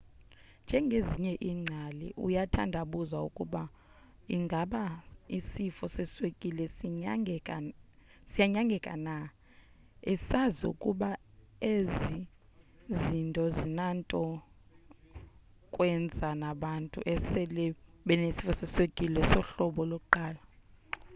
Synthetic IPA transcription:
nd͡ʒʱɛŋɡʱeziɲɛʔiːŋ͡ǀʱalḭʔṵjatʰa̰ndʱaɓuzaṵkʼuɓa | iŋɡʱaɓaisifɔsɛswekʼilɛ | sijaɲaŋɡʱɛkʼa̰na | ɛsaziṵkʼuɓa | ezi | zintʼɔzinantʼɔ | kʼwɛnd͡zʱanaɓantʼṵʔɛsɛlɛɓɛnesi̥fɔsɛswekʼilɛsɔɬɔɓɔlokʼuǃaːla

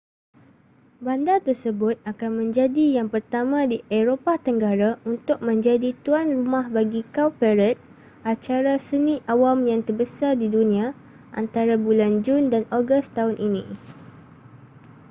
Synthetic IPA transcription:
bandat̪ərsəbʊt̪̚akanmə̃ɲd͡ʒadijaŋpərt̪amãdiʔeɾopat̪əŋɡaɾaunt̪ʊk̚mə̃ɲd͡ʒadit̪uanrumãhbaɡikawpɛɾət̪̚ | ʔat͡ʃaɾasənĩʔawamjaŋt̪ərbəsadidunĩa | ʔa̰nt̪aɾabuland͡ʒundanoɡəst̪aɦʊnʔinĩ

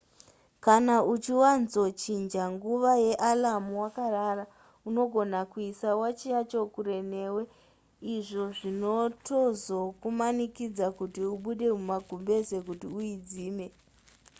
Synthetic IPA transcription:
kanaut͡ʃiwanzo̞t͡ʃind͡ʒaŋɡuʋaje̞ʔalamuwakaraːra | uno̞ɡʱo̞nakuisawat͡ʃijat͡ʃokuɾe̞ne̞we | iʐo̞ʐino̞tozokumanikid͡zakutiuɓuɗe̞mumaɡʱumbe̞se̞k̬utiuid͡ziːme̞

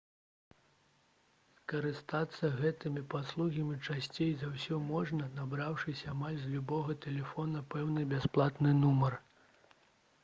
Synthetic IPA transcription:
skɐɾɨst̪at̪sːɐɣɛt̪ɨmʲipaslˠuɣʲɐmʲit͡ʂasʲt͡sʲejzawsʲɔmɔʐnɐnabɾawʂɨsʲɐamalʲzʲlʲubɔɣɐt̪ɛlʲɛfɔnɐpɛwnɨbʲasplˠat̪nɨnumɐr

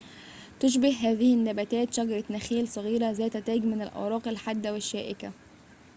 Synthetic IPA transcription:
t̪ʊʃ̬bɪhɦæːðɪhɪnːæbæt̪æːt̪ʃæɡɑɾˤɑt̪næxiːlsˤɑɣiːɾæzæːt̪æt̪æːɡmɪnælʔɑ̰wɾˤɑːqalħad̪ːæwɪʃːæːʔɪkæ

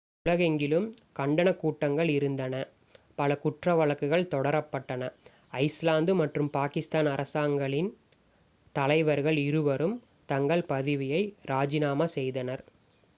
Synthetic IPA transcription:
ʊɭɐɣɛŋɡɪlɯm | kɐɳɖɐnɐkːuːʈːɐŋɡɐɭɪɾɯnd̪ɐnɐ | pɐlɐkʊʈrɐʋɐɭɐkːɯɣɐɭt̪ɔɽɐɾɐpːɐʈːɐnɐ | ɐɪslaːnd̪ɯmɐʈrɯmpaːkɪst̪aːnɐɾʔɐsaːŋɡɐɭɪn | t̪ɐlɐɪʋɐɾɣɐɭɪɾɯʋɐɾɯm | t̪ɐŋɡɐɭpɐðɪʋɪjɐɪɾaːd͡ʒɪnaːmɐsɛjðɐnɐɾ

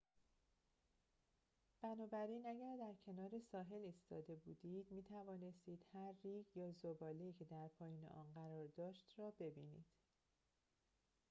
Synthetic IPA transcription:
b̥ænɒːbæɾiːnæɟæɾd̪æɾcʰe̞nɒːɾe̞sɒːɦe̞liːst̪ɒːd̪e̞buːd̪iːd̪̥miːt̪ʰævɒːne̞st̪iːd̪̥hæɾːiːɡjɒːzobɒːleiːcʰe̞d̪æɾpʰɒːjiːnḛʔɒ̰ːnɢæɾɒːɾd̪ɒːʃt̪rɒːbe̞biːniːd̪̥

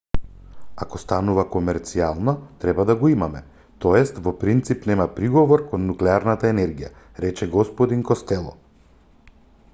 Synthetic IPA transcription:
akɔst̪anuvakɔmɛɾt̪sialˠnat̪ɾɛbad̪aɡɔimamɛ | t̪ɔɛst̪vɔpɾint̪sipnɛmapɾiɡɔvɔɾkɔnːuklɛaɾnat̪aɛnɛɾɡija̰ | ɾɛt͡ʃɛɡɔspɔd̪inkɔst̪ɛlˠɔ̰

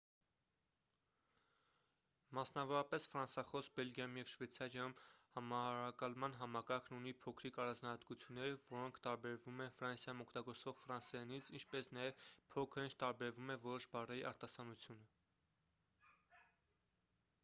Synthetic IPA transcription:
mɑsnɑvɔɾɑpɛsfɾɑnsɑχɔsbɛlɡjɑjumjɛvʃvɛt͡sʰɑɾjɑjumhɑmɑɑɾɑkɑlmɑnɦɑmɑkɑɾkʰnunipʰɔkʰɾikɑɾɑnd͡znɑhɑt̪kut͡sʰjunːɛɾvɔɾɔŋkʰt̪ɑɾbɛɾvumɛnfɾɑnsjɑjumɔkʰt̪ɑɡɔɾt͡svɔʁfɾɑnsɛjɑnit͡sʰint͡ʃʰpɛsnɑjɛvpʰɔkʰəɾint͡ʃʰt̪ɑɾbɛɾvumɛvɔɾɔʃbɑrɛjiʔɑɾt̪ɑsɑnut͡sʰjunə

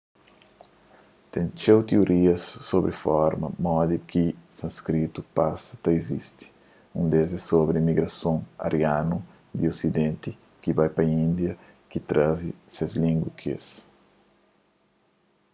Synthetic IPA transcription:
t̪ẽnt͡ʃewt̪ioɾʔiɐsːobɾifɔɾmɐ̰mɔd̪ikisɐ̃nskɾit̪upasɐ̥t̪ɐizist̪i̥ | ũnd̪ezɛsobɾimiɡɾɐsõŋa̰ɾʔjanu | d̪iosid̪ẽnt̪i | kivajpɐĩnd̪jɐ | kit̪ɾazisezlĩŋɡwukʰḛs

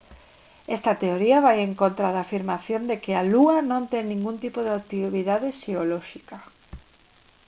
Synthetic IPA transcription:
ɛst̪ɐt̪eoɾiɐβajeŋkont̪ɾaðaːfiɾmaθjond̪ekɪaluɐnõnt̪ɛŋnĩŋɡunt̪ipoðeat̪iβiðaðeʃeolɔʃika

